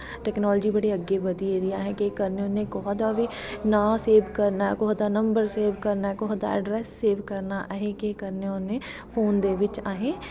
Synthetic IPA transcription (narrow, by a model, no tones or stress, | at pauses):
ʈɛːknɔːlːd͡ʒiːbəɽiəɡːebəd̪ied̪ijaːɦɛkekəɾneʊnẽkɔɦd̪abinaːseːʋkəɾnaːɛkɔːd̪aːnəmbəɾseːʋkəɾnaːɦɛkɔɦd̪a̰ːə̰ɖɾɛːsːeːʋkəɾnaːʔɦẽkekəɾneʊnẽːpʰoːnd̪eːʋɪt͡ʃaːɦẽː